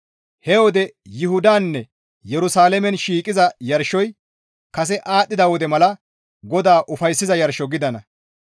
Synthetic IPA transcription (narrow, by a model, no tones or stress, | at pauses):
hɛwɔd̪ɛjɪhʊd̪aːnːɛ | jɛɾʊsaːlɛmɛnʃiːkʼɪzɐjɐɾʃɔj | kɐs̬ɛʔaːtːɪd̪ɐwɔd̪ɛmɐlɐ | ɡɔd̪aːʔʊfɐjsːɪzɐjɐɾʃɔɡɪd̪ɐnɐ